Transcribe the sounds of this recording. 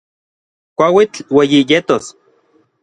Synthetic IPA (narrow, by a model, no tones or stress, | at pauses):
kʷawit͡ɬwejijet̪os